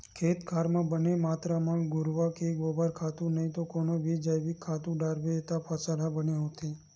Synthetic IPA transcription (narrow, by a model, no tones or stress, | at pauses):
kʰet̪kʰaɾmãbənemat̪ɾamãŋɡʱʊɾʋakeɡʋobaɾkʰat̪ũnəɦĩt̪okonoʋid͡ʒəjʋikʰːat̪ũɖaɾʋet̪apʰəsalabəneɦot̪ʰe